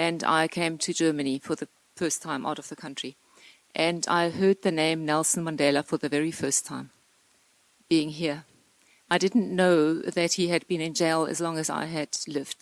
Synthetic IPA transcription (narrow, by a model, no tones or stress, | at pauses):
ɨ̃na̰ɪkʰẽɪ̃mtʰɨd͡ʒɜ˞mɨnifə˞ðɨ | fɜ˞stʰãɪ̃mʔa̰ʊɾʌvðɨkʰʌ̃nt͡ʃɹ̥i | ʔɨ̃na̰ɪɦɜ˞d̪̚ðɨnẽɪ̃mnɛlˠsn̩mɑ̃ndɛlˠəfə˞ðɨvɛɹifɜ˞stʰãɪ̃m | b̥iɪ̃ŋɦiɹ | ʔaɪdɪdⁿn̩ʔnoʊðɨt̚hiɨd̚bɨ̃nɨ̃nd͡ʒeɪlˠɨ̰zlɔ̃ŋɨza̰ɪɨdlɪvd̥